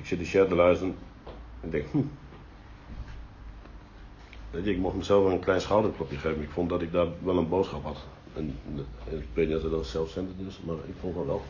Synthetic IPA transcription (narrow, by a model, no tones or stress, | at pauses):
ɪksɪdəʃjɛrdəlœːsən | ɛn̚dɪŋkhm̩ | ʋɛtjəɪkmoxtməsɛlˠfɛnənkʰlɛjnsxaːdəŋkʰlopjəxeːvnɪkfont̚dɔtɪk̚daːʋɛlˠənboːtsxɔphat | ɛn | k̚pɪjɛsədosɛlˠfsɛntədəsmarɪ̰kfõntɔʋɛlˠ